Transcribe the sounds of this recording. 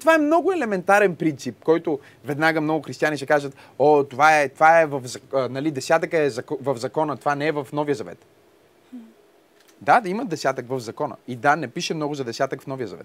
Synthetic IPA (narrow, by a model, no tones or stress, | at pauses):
t̪ovaɛmnɔɡʊɛlɛmɛnt̪aɾɛnpɾint̪sip̚kɔjt̪ʊ | vɛd̪naɡəmnɔɡʊxɾist̪ianiʃɛkaʒət̪ | ɔt̪ovaɛt̪ovaɛvɐfzɐənɐlid̪ɛsʲat̪əkəɛzɐkvɐvzɐkɔnət̪ovanɛɛvɐfnɔvijəzɐvɛ̰t̪ | d̪ad̪ɐiməd̪ɛsʲjat̪əkvɐvzɐkɔnə̰id̪anɛpiʃɛmnɔɡʊzɐd̪ɛsʲat̪əkfnɔvijəzɐ̰vɛ̰t̪